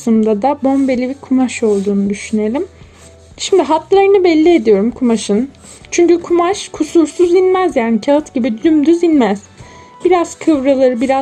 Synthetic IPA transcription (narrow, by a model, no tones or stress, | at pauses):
sɯmd̪ad̪abo̞mbe̞lʲibikʰumaʃo̞lˠd̪uːnud̪yʃyne̞lʲim | ʃimd̪iɦat̪lˠaɾɯnɯbɛlʲːie̞d̪ijo̞ɾumkʰumaʃɯn | t͡ʃʰyɲcykʰumaʃkʰusuɾsuzinmæzjaːnicʰaɯt̪ɟibid̪ymd̪yzinmæz̥ | biɾaz̥kʰɯvɾalˠaɾɯbiɾa